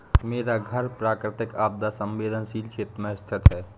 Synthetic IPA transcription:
meːɾaɡʱəɾpɾaːkɾɪt̪ɪkaːb̚d̪asə̃mʋeːd̪ʱənsiːlkʰeːt̪ɾmẽst̪ʰɪt̪ɦɛː

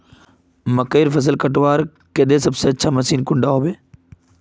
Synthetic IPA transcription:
məkeːɾfəs̬əlkəʈʋaːɾ | ked̪eːsəbseːətːʃʰaːməsiːnkʊ̃ɳɖaːɦoːbeː

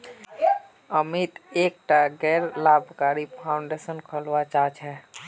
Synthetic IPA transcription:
əmit̪ek̚ʈaɡɛɾlabʱkaɾipʰaʊɳɖesənkʰəlʋat͡ʃat͡ʃʰɛ

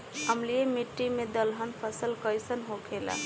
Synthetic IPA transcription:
əmlijemiʈːimed̪əlɦənpʰəsəlkəjsənɦokʰela̰

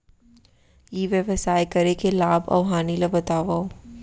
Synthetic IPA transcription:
jiʋjəʋəsaːjkɐɾekelaːbɐ̰ʋɦaːnilabɐt̪aːʋaːo

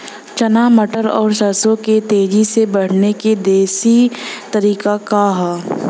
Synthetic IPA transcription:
t͡ʃɐnaːmɐʈəɾɔ̰ːɾʃɐsõket̪eːd͡ʒisebɐɽ̤neked̪eːsit̪ɐɾiːkakaɦ

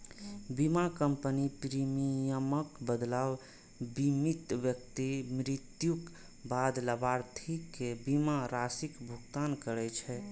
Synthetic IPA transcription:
bimakəmpənipɾimijəməkbəd̪law | bimit̪ʋjəkt̪imɾit̪juk | bad̪ləbaɾt̪ʰikːebimaɾasikbʱuɡt̪ankəɾɛt͡ʃʰɛ

